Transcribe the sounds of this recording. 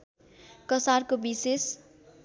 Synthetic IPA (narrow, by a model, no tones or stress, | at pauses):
kʌsarkobises